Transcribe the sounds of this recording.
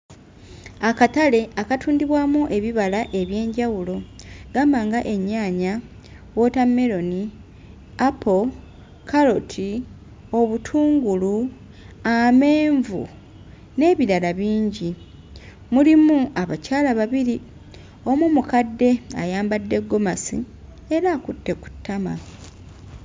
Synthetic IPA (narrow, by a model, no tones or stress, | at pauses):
akatale̞akatʰuːndiβwaːmuʔe̞βiβalaʔe̞βje̞ːɲɟawulo̞ɡ̥aːmbaːŋɡaʔe̞ɲːaːɲa | wo̞tameɾo̞ni | apʰo̞ | kʰalotʰi | o̞βutʰuːŋɡulu | ame̞ːɱvṵ | ne̞ːβiɾalaβiːɲɟi | mulimuaβacaːlaβaβiɾi | o̞mumukadːe̞a̰jaːmbadːe̞ɡːo̞masḭ | e̞ɾakutːe̞ku̥tːama̰